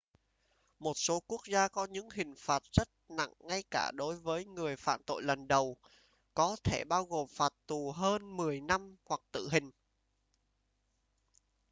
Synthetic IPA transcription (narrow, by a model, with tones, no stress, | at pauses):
mo˨˩t̚so˨˦ku˦˥ək̚zaː˧kɔ˨˦ɲɨ̰˧˥ŋɦï˨˩ŋ̟faː˨˩t̚z̥ə˦˥t̚na̰˧˨ŋːa˧jkaː˧˩ɗo˨˦jvəː˨˦jŋɨ˨˩əjfa̰ː˧˨nt̪o̰˧˨jlə˨˩nɗə˨˩w | kɔ˨˦t̪ʰe˧˩ɓaː˧wɣo˨˩mfaː˨˩t̚t̪u˨˩ɦəː˧nmɨ˨˩əjna˧mhwa˨˩k̚t̪ɨ̰˧˨ɦï˨˩ŋ̟